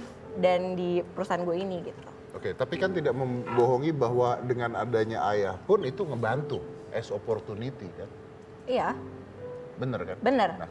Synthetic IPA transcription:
dandipəɾusaanɡuainiɡit̪ul | oket̪apikant̪idak̚məmboɦɔŋibaɦwadəŋanadaɲaʔajahpʊnit̪uŋəbant̪uʔɛsoport̪unit̪ikan | ija | bənərkanbənərna̰

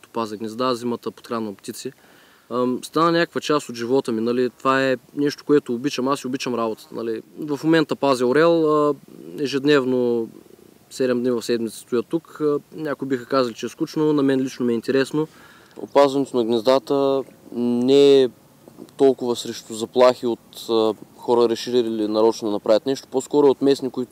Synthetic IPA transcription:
t̪o̥pazʲiɡnʲɛzd̪azimət̪əpo̥t̪xɾanpt̪ʲit̪si | st̪anənʲakə̥kvət͡ʃast̪od̪ʒivɔt̪əminɐlit̪ovaɛnɛʃt̪o̥koɛt̪oːbit͡ʃəmasiʊbit͡ʃəmɾabot̪ə̥t̪ənɐ̰livɐfmomɛnt̪əpazʲioɾɛlˠəɛʒɛd̪nɛvno | sɛd̪ɛmd̪nʲivɐfsɛd̪mʲit̪sə̥st̪ʊjət̪ukːnʲakʊibixəkazɐlit͡ʃɛɛsklut͡ʃnonɐmɛnlit͡ʃnomɛint̪ɛɾɛsno | o̰pazvɐnɛt̪ʊnɐɡnɛzd̪at̪ə | nɛ | t̪ɔlˠkʊvəsɾɛʃt̪ʊzɐplˠaxiot̪ːxɔɾəɾɛʃiɾiɾilinɐɾɔt͡ʃnod̪ɐnɐpɾavət̪nɛʃt̪o̥poskɔɾʊɛot̪mɛsnikʊit̪

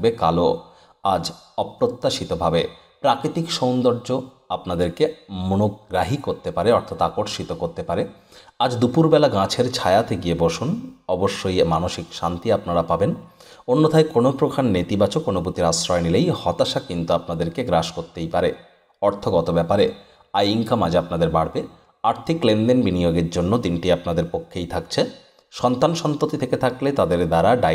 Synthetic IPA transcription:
bekalo | ad͡ʑɔpɾot̪ːaʃit̪obʱabe | pɾakɾit̪ikʃownd̪ɔɾd͡ʑo | apnad̪eɾkemonoɡɾaɦikoɾt̪epaɾeɔɾt̪ʰat̪akoɾʃit̪okoɾt̪epaɾe | ad͡ʑd̪upuɾbɛlaɡãt͡ɕʰeɾt͡ɕʰajat̪ʰeɡieboʃunɔboʃːojmanoʃikʃant̪iapnaɾapaben | onːot̪ʰaekonopɾokʰanːet̪ibat͡ɕokːonoput̪iɾasɾɔenilejhɔt̪aʃakint̪uapnad̪eɾkeɡɾaʃkoɾt̪ːejpaɾe | ɔɾt̪ʰoɡɔt̪obɛpaɾe | ajiŋkamad͡ʑapnad̪eɾbaɽbe | aɾt̪ʰiklenɖ̪enbinijoɡeɾd͡ʑonːod̪inʈiapnad̪eɾpokʰːejt̪ʰak̚t͡ɕʰe | ʃɔnt̪anʃɔnt̪ot̪it̪ʰeket̪ʰaklet̪ad̪eɾd̪aɾaɖa

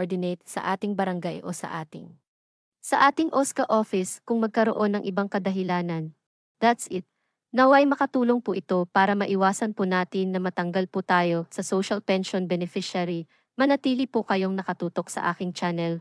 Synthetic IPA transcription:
d̪ɪnejt̪̚sɐ̰ʔaːt̪ɪŋbɐɾɐŋɡajʔo̰sɐ̰ʔaːt̪ɪ̰ŋ | sɐʔaːt̪ɪŋʔoskɐʔoːfɪskʊŋmɐɡ̚kɐɾo̞̰ʔo̞nːɐŋʔɪbaŋkɐd̪ɐɦɪlaːnɐn | d̪at̪sɪt̪̚ | nɐwɐjmɐkɐt̪uːlo̞ŋpʊʔɪt̪o̞paːɾɐmɐʔɪwaːsɐnpʊnaːt̪ɪnːɐmɐt̪ɐŋɡɐlput̪aːjo̞sɐsowʃɐlpɛnʃonbɛnɛfɪʃaɾi | mɐnɐt̪iːlipʊkɐjo̞ŋnɐkɐt̪uːt̪o̞k̚sɐ̰ʔaːkɪŋt͡ʃaːnɛl

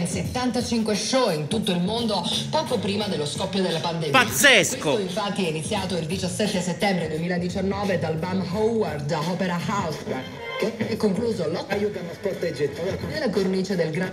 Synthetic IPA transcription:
nset̪ːant̪at͡ʃiŋkweʃɔint̪ut̪ːoilmond̪opɔːkopɾiːmad̪elːoskɔpːjod̪elːapand̪empat̪sːɛsekooiɱfat̪ːiɛinit̪sːjaːt̪oild̪it͡ʃasːɛt̪ːeset̪ːɛmbɾed̪uwemiːlad̪it͡ʃanːɔːved̪albamɦɔwward̪aɔpeɾahaws | keɛkːoŋkluːzolɔkajukanospɔrt̪ed͡ʒet̪ːikoelakornit͡ʃed̪elɡɾa

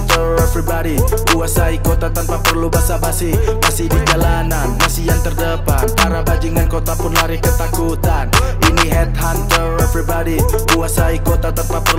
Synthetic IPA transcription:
t̪ə | ɛfɾibaɾikuasaikot̪at̪ənp̪apərlubasabasɪhmasɪhdid͡ʒalananmasijaŋt̪ərdəpanpaɾabad͡ʒiŋankot̪apʊnlaɾɪhkət̪akut̪anʔiniɦɛt̪̚hant̪ə | fɾibaɾikuasaikot̪at̪ənpapər

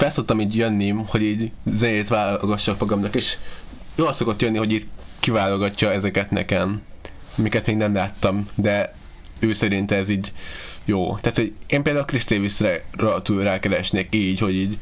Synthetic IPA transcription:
fɛlsot̪t̪ɒmiːɟjønːimho̞ɟiːɟzɛneːt̪ʋaːlɡɒʃːɒkproɡɒmnɒkeːʃ | joːlso̞kot̪jønːiɦo̞ɟiːt̪kivaːloɡɒcːɒɛzɛkɛt̪nɛ̰kɛm | mikɛt̪meːɡnɛmlaːt̪ːɒmd̪ɛ | øːsɛɾint̪ɛziːɟjoːt̪aːt̪ho̞ɟeːmpeːld̪aulkrist̪eːvisrɛrɒt̪ulraːkɛɾɛʃneːkiːɟho̞ɟiːɟ

